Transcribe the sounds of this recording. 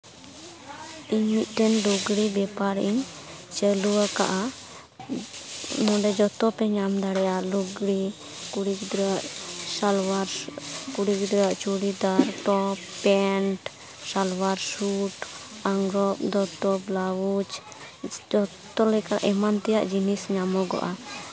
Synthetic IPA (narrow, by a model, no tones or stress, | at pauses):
iɲmit̪̚ˀʈɛnluɡɽibɛpaɾʔiɲt͡ʃəluwaka̰ʔa | mɔ̃ɖɛd͡ʒɔt̪ɔpɛɲamd̪aɽɛjaluɡɽi | kuɽikd̪ɾɔwaʔsalwaɾkuɽikd̪ɾɔwaʔt͡ʃuɽid̪aɾʈɔpːɛɳʈ | salwaɾsuʈ | aŋɡɾɔp̚d̪ɔt̪ɔblawut͡ʃ | d͡ʒɔtt̪ɔlɛkana̰ʔɛmant̪ɛja̰ʔd͡ʒinisɲamɔɡɔ̰ʔa